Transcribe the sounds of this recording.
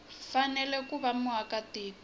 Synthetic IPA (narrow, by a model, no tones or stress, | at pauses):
fanɛlɛkuβamuakatiːk